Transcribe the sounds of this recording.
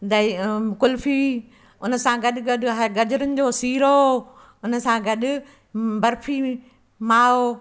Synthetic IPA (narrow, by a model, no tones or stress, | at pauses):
d̪ɐkʊlfi | ʊnə̆sãɡɐɗɪɡɐɗʊɦɐɾɡɐd͡ʑʊɾənɪ̆d͡ʑoːsiːɾo | ʊnsãɡɐɗʊ̆ | bɐɾfʰi | maːo